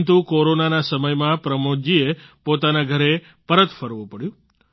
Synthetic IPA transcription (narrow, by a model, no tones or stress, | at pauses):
nt̪ũkoɾonanasəməjmãpɾəmod͡ʒiepot̪anaɡʱəɾe | pəɾət̪fəɾʋũpəɽjũ